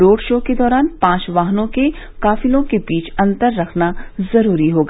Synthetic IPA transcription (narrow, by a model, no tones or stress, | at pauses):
ɾoːɽʃoːked̪ɔːɾaːnpãːt͡ʃʋaːɦnõke | kaːfɪlõkebiːt͡ʃʰɐ̃nt̪əɾːɐkʰnazɐɾuːɾiɦoːɡa